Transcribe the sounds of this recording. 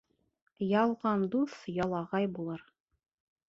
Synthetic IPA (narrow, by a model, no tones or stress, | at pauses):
jɑlˠʁɑnd̪uθjɑlˠɑʁɑjbulˠɤɾ